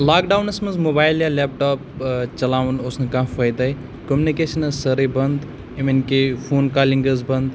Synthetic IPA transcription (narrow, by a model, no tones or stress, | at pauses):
laːkɖaːwnɐsmɐnzmoːbaːjljalːeːp̚ʈoːpt͡ʃɐlaːʋunosnɨkãfʰɐjd̪ɐi | komunikeːʃɐnɐzsɐɾibɐnd̪ | iminkefʰoːnkaːliŋɡɐzbɐnd̪